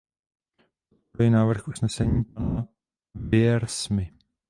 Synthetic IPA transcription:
pot̪̚poɾujɛnaːvr̩xʔusnɛsɛɲiːp̚ana | vɪɛɾsmɪ

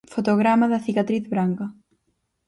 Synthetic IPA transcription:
fot̪oɣɾamaðɐθikat̪ɾiθβɾaŋkɐ

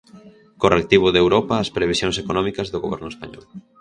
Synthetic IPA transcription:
korek̚t̪iβ̞ʊðewɾɔpaːspɾeβ̞isjoŋsekonɔmikɐzðoɣoβɛ̰ɾnʊespaɲɔ̰l

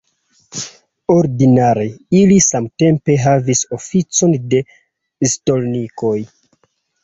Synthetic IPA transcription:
o̞ɾdinaɾeilisamte̞mpe̞ɦaviso̞fit͡so̞nde̞ | sto̞lniko̞j

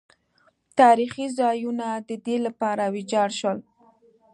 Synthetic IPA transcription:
t̪ɑɾixizɑjunad̪əd̪elapɑɾawɪd͡ʒɑɽʃwəl

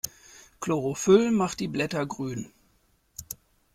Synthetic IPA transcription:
kʰloʁofʏlmaχt̚d̥iːblɛtɐɡʁyːn

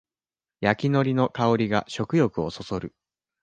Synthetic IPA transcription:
jakʲino̞ɾʲinokao̞ɾʲiɡa̰ɕo̞kɯ̟jo̞kɯ̟o̞so̞so̞ɾɯ̟

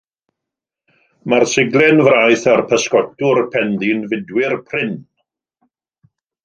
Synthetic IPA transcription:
marsɪɡlˠɛnvrajθarpʰəskɔtʊrpʰɛnðinvɪdwɪrpʰrɪn

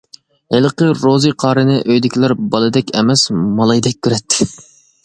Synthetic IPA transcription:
helˠɨqəɾozɨqʰɑːɾɨnɨʔøjd̪ɪkʲʰilæɾbɑlˠɨd̪ɛkʲɛmɛsmɑlˠɑjd̪ɛk̚ʲʰːyɾɛt̪ʰːɪ

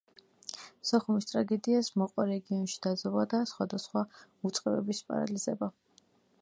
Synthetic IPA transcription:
sɔχumist̪ʼɾaɡɛd̪iasmɔqʼwaɾɛɡiɔnʃi̥d̪̥ad̪zɔlˠad̪asχwad̪asχwaut̪sʼqʼɛbɛbispʼa̰ɾa̰lizɛba

